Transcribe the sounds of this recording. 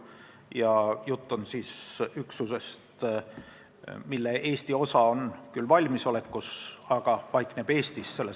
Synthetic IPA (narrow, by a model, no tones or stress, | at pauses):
jɑjut̪ˑːunsiːsyksuse̞st̪ | milːe̞ʔe̞ːst̪io̞sɑo̞nkylːvɑlʲmiso̞le̞kːusɑɡ̥ɑpɑjkˑneb̥e̞ːst̪isse̞lːe